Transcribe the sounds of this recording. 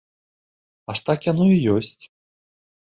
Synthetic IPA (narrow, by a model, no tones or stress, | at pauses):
aʂt̪akjanujijɔsʲt͡sʲ